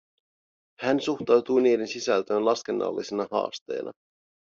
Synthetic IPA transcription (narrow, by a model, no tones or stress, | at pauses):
hænsuxt̪ɑwt̪ujniːde̞nsisælt̪øːnlɑske̞nːɑ̰lːisenɑhɑ̰ːst̪e̞ːnʔɑ̰